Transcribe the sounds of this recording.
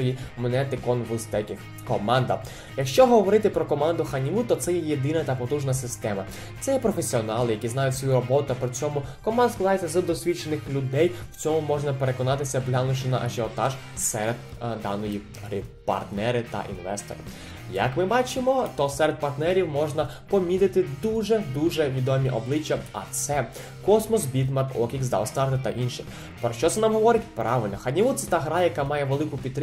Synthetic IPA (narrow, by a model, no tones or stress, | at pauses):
ɔjimɔnɛt̪ɪkɔnʋʊst̪ɛkʲɪx | kɔmɑnd̪ɐ | jɐkʃt͡ʃɔɦɔʋɔɾɪt̪ɪpɾɔkɔmɑnd̪ʊxɐnʲiʋut̪ɔt̪sɛjɛjed̪ɪnɐt̪ɐpɔt̪uʒnɐsɪst̪ɛmɐ | t̪sɛjɛpɾɔfesʲiɔnɑlˠɪjɐkʲiznɑjʊtʲsʲʋɔjuɾɔbɔt̪ʊpɾʲɪt͡sʲɔmʊkɔmɑnd̪sklˠɐd̪ɑjt͡sʲːɐzɐd̪ɔsʲʋʲit͡ʃenɪxlʲʊd̪ɛjwt͡sʲɔmʊmɔʒnɐpeɾe̞kɔnɑt̪ɪsʲɐplʲanʊʃɪnɐ̰ʔɐʒeɔt̪ɑʒ | sɛɾed̪̚ | d̪ɑ̰nɔji | ɦɾɪpɐ̰rt̪nɛɾɪt̪ɐ̰ʔḭnʋɛ̰st̪ɔ̰ɾɪ | jɐ̰kmɪbɑt͡ʃɪmɔt̪ɔsɛɾed̪̚pɐrt̪nɛɾʲiwmɔʒnɐ | pɔmʲid̪ɪt̪ɪd̪uʒɛd̪uʒɛʋʲid̪ɔmʲiʔɔblˠɪt͡ʃːɐɐ̰t̪sɛ | kɔsmɔsbʲit̪mɑrkɔkʲikzd̪ɐ̰lst̪ɑrt̪ɪt̪ɐʔinʃɪ | pɾɔʃt͡ʃɔt̪ɛnɑmɦɔʋɔɾɪtʲpɾɑʋɪlʲnɔxɐnʲiʋut̪sɛt̪ɑɦɾɑjɐkɑmɑjɛʋelˠɪkʊpʲid̪t̪ːɾ